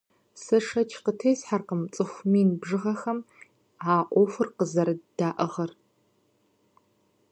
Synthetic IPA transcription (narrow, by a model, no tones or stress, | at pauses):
sɐʂɐt͡ʃʰqətʰejsħarqəmt͡sʼɨxʷmiːnbʐɨʁɐxɐm | aːʔʷɔfɨrqəzɐɾɨd̥aːʔɐʁɐr